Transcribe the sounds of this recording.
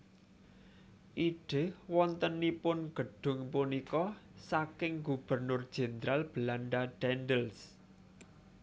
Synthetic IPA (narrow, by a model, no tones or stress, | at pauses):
ʔiɖ̥e̤hwɔnt̪ənːipʊnɡ̥ə̤ɖ̥ʊ̤ŋpunikɔsakɪŋɡub̥ərnʊrd̥ʒ̥e̤nd̪ɾalb̥əlanɖaɖ̥ɛnɖəls